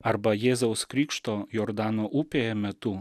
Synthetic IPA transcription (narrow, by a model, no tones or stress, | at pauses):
ɐɾbɐjeːzɐʊskɾʲiːkʃt̪oːjɔːɾd̪ɑːnoːʔuːpʲeːjɛmʲɛt̪ʊ